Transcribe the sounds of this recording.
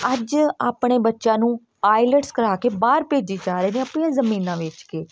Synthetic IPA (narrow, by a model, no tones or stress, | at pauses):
əd͡ʒaːpɽ̃eːbətːʃãːnũː | aːɪləʈskəɾaːkeːbaːɾpeːd͡ʒeːd͡ʒaːɾeːnẽːəpɳĩjãːzəmiːnãːʋɪt͡ʃkeː